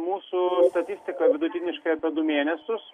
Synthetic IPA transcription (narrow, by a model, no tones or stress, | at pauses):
muːsʊst̪ɐt̪ʲɪsʲt̪ʲɪkɐʋʲɪd̪ʊt̪ʲɪnʲɪʃkɐjɐpʲɛd̪ʊmʲeːnʲɛsʲʊs